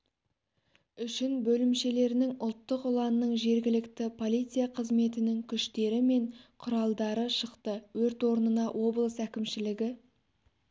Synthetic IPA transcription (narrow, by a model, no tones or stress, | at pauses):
ʏʃɪnbɵlɪmʃe̞le̞ɾɪnɪŋʊlˠt̪ːəqʊlˠɑnːəɴʒe̞ɾɡʲɪlɪkt̪ɪpʰo̞lˠijt̪sijaqʰəzme̞t̪ɪnɪŋkʲʰʏʃt̪e̞ɾɪme̞ɴqʰʊɾɑlˠd̪ɑɾəʃəqt̪əwɵɾt̪wo̞ɾnənɑʔwʔo̞blˠəsækʲɪmʃɪlɪɡʲɪ